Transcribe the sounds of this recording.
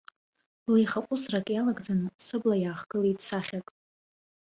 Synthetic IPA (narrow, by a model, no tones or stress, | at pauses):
lijχakʷʼʊsrakʼjalaɡd͡zanɨsɨblajaːχɡɨliitʰt͡sʰaχʲakʼ